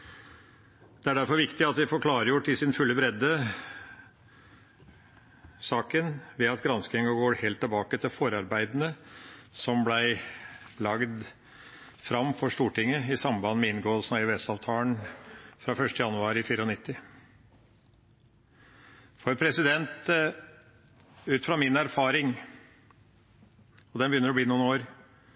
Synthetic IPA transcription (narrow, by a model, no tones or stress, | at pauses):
d̪̥ɛæɖæɾfɔɾʋɪkt̪ɪɑt̪ʋ̪ɪfɔɾkʰlɑːɾəjuːʈɪsɪnfʉlːəbɾɛd̪ːə | sɑːkənʋɛɑt̪ɡɾɑnsk̪ɪŋɑɡoːɾheːlt̪ʰːəlbɑːkət̪ʰɪlfɔɾɑɾbæɪd̪nəsɔmblæɪlɑɡd̪ | fɾɑmːfɔʂʈuːʈɪŋːəɪsɑmbɑnːmɛɪnɡolsnɑɪʋɛst̪ɑʋt̪ʰɑːləɳfɾɑːfœʂʈəjɑnːʉɑːɾɪfiːɾəɔnɪt̪ːɪ | fɔɾpʰɾɛsɪd̪ɛnt̪ | ʉːt̪fɾɑmɪnæɾfɑːɾɪŋ | ɔd̪ɛnbəjʏnːəɾɔbliːnuːnoːɾ